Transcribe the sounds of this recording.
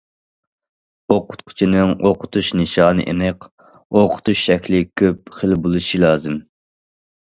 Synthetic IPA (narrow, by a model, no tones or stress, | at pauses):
oqʰʊ̥t̪qʰʊ̥t͡ʃʰinɨŋoqʰʊt̪ʰuʃnɨʃɑːnɨ̰ʔenɪq | oqʰʊ̥t̪ʰuʃʃɛkʲlɪkʲʰøp̚χəlbulˠɨʃilɑːzɨm